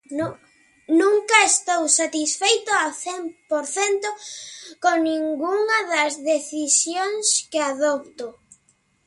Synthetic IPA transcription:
nũŋkɐest̪owsat̪isfejt̪oaθempoɾθent̪ʊkonĩŋɡuŋɐðɐzðeθisjoŋskɪaðɔp̚t̪o

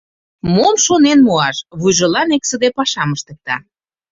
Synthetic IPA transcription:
momʃonenmoɑʃβujʒɤ̆lɑneksəd̪epɑʃɑməʃt̪ə̆k̚t̪ɑ̰

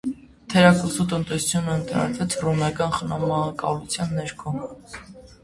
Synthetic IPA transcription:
t̪ʰɛɾɑkəsut̪ənt̪ɛsut͡sʰjunəːnt̪ʰɑ̰ɑ̰t͡s̪ʰvɛt͡sʰrɔmɑkɑnχənɑmɑɑkɑ̰lut͡sʰjɑnːɛɾkʰɔ

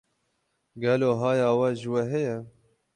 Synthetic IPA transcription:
ɡɛloːɦɑːjɑːwɛʒɨwɛɦɛjɛ

